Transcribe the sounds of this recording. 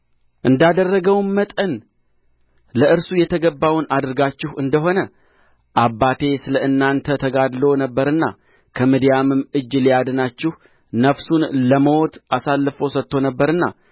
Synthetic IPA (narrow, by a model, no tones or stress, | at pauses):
ʔɨnd̪ad̪ərːəɡəwnmət̪ʼən | ləʔɨɾsujɛt̪ʰəɡəbːawnad̪ɨɾɡat͡ʃːɪhɨnd̪əɦo̞nə | ʔabːat̪ʰe̞sɨləʔɨnːant̪ʰət̪ʰəɡad̪lo̞nəbːəɾɨnːa̰ | kʰəmid̪ijamɨmɨd͡ʒlijad̪nat͡ʃːɪh | nəfsunləmot̪ʔasalːɨfo̞sət̪ːo̞nəbːəɾɨnːa̰